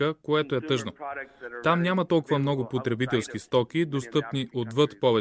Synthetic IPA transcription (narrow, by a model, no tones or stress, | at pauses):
əkoɛt̪oɛt̪ɤʒnot̪amnʲamɐt̪ɔlˠkʊvəmnɔɡʊpot̪ɾɛbit̪ɛlˠskist̪ɔkʲid̪ost̪ɤpniʔod̪vɤt̪pɔvɛ